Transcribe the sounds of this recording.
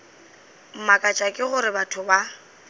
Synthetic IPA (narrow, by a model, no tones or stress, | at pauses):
m̩makʼat͡ʃʼakʼɪɣʊɾɪbatʰʊba